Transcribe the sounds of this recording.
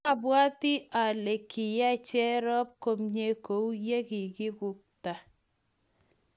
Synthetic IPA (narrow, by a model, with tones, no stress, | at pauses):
a˨bwa˦tɪ˦ʔa˨le˨kʰɪ˨ja˦t͡ʃɛ˦ɾɔ˦p̚ko˦mɲe˦ko˨u˦je˦kɪ˨kɪ˦kʊ˨k̚ta˨